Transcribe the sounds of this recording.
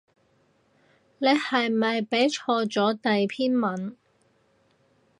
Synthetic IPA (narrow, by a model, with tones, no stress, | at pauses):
ne˨˧jhɐ˨jmɐ˨jpe˨˥jt͡ʃʰɔː˧t͡sɔː˨˥t̪ɐ˨jpʰiː˥nmɐ˨˥n